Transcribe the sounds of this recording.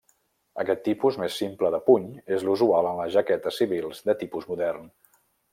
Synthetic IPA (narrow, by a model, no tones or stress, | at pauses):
əkɛt̪ːipuzmesːimpləðəpuɲezluzualˠənləʒəkɛt̪əsiβilˠzd̪ət̪ipuzmuðɛrn